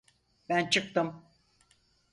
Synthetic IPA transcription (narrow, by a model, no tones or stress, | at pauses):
bænt͡ʃʰɯk̚t̪ɯm